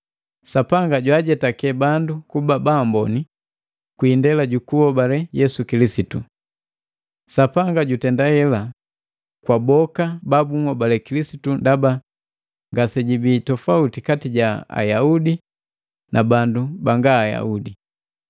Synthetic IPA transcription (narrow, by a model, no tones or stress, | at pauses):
sapaŋɡaɟwaɟɛtakɛbandukubabaːmbɔni | kwiːndɛlaɟukuɔbalɛjɛsukilisitṵ | sapaŋɡaɟutɛndahɛla | kwabɔkababuŋɔbalɛkilisitundaba | ŋɡasɛɟibitɔfautikatiɟaa̰jaudi | nʔabandubaŋɡaːja̰udi